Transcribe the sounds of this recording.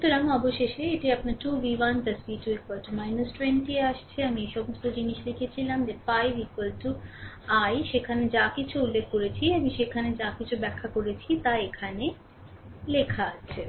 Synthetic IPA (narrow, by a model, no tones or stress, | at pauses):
ut̪oɾamɔboʃeʃeeʈiapnaʈuʋiwanpɐsbiʈuikwalʈumajnusʈɾeɳʈieaʃt͡ɕʰeamiejʃɔmost̪od͡ʑiniʃlikʰet͡ɕʰilamd͡ʑefajbikwalʈu | ajʃekʰaned͡ʑakit͡ɕʰuulːekʰːoɾet͡ɕʰiamiʃekʰaned͡ʑakit͡ɕʰubɛkʰːakoɾet͡ɕʰit̪aekʰane | lekʰaat͡ɕʰe